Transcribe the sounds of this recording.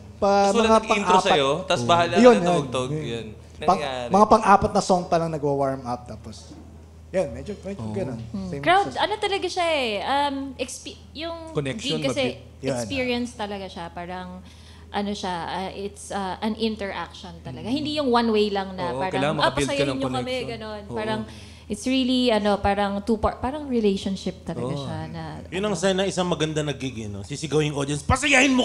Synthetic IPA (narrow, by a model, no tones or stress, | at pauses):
pɐmɐŋapɐiŋt̪aopsɐjot̪asbɐhalɐjonjaoɡ̚t̪ɐojan | pɐŋmɐŋapɐŋʔaːpɐt̪̚nɐsoŋpɐlɐŋnɐɡwawaɹmʔɐp̚t̪aːpos | janmɛd͡ʒomɛd͡ʒoɡɐnonsejmkɾɹawd̪ɐnot̪ɐlɐɡaʃaʔɛʔɐmʔɛkspi | jʊŋkonɛʃokɐɐsɛ | jɛksnpiɹiɐnst̪ɐlɐɡaʃapaːɾɐŋ | ʔɐno̞ʃaɐʔɪt̪sɐʔɐnʔɪnt̪ɛɹʔa̰k̚ʃont̪ɐlɐɡahɪ̃nd̪ijʊŋwanwejlɐŋnɐpaːɾɐjɐlaŋɐmɐapɐilsɐjaɲkɐmɛɡɐno̞npaːɾɐŋ | ʔɪt̪sɹiliɐno̞paːɾɐŋt̪upapaːɾɐŋɹɪlejʃonʃɪp̚t̪ɐlɐɡɡaʃanɐjʊnɐŋsajnɐɪsaŋmɐɡɐnd̪anɐɡiɡɪnosisɪɡɐwɪŋʔod̪iɐnspɐsɐjahɪnmo